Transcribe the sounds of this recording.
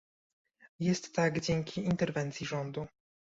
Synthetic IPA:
jɛst̪ːaɡd͡ʑɛŋkʲʰiːnt̪ɛɾvɛnt̪sʲiʐɔnd̪u

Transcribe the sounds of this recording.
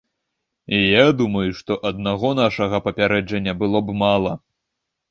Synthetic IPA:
ijad̪umɐjuʂt̪ɔʔɐd̪̚naɣɔn̪aʂɐɣɐpɐpʲaɾɛd͡ʐɐnʲːɐbɨlˠɔbmalˠɐ

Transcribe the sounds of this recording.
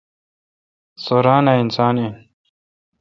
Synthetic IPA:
soɾaːnainsaːnen

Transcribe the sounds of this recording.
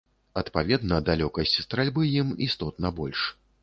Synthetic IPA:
ɐt̪pavʲɛd̪nɐd̪alʲɔkɐsʲt͡sʲst̪ɾalʲbɨjimḭst̪ɔt̪nɐbɔlʲʂ

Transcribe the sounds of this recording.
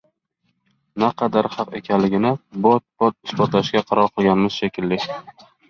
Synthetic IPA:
naqʰɑd̪aɾhɑqekʲʰanlɪɡʲɪnɪbt̪̚b̥ɒt̪̚ɪsbɒt̪laʃɡʲaqʰɑɾɒɾˠqʰɨlˠɡʲanɪmɪz̥ʃekʲʰɪlːɪkʲ

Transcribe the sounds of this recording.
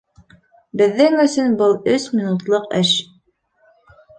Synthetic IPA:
bɘ̆ðːɘŋɵ̆sɵnbɤlˠɵsmʲinut̪lˠɤqɘʃ

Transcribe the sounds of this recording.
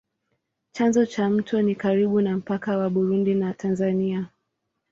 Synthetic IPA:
t͡ʃanzɔt͡ʃam̩tɔnikaɾiɓunam̩pakawaɓuɾundinatʰanzania

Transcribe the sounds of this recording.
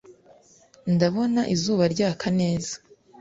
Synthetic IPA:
ndaβo̞naʔizuːβaɾɟaːkʰane̞ːzḁ

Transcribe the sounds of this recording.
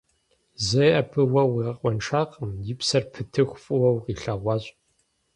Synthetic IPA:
zɐʔɐpʰɨwɐwiʁɐqʷʼɔnʈ͡ʂʰaːqʼəmjɪpsɐrpʰɨtʰɨxʷfʼɨwɐwqiːɬɐʁʷɑːɕʼ

